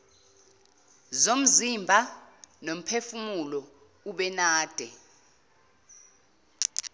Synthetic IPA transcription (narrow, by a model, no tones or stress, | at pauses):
zom̩zimbʱanom̩pʰefumulɔ | uɓɛnaːd̥ʱɛ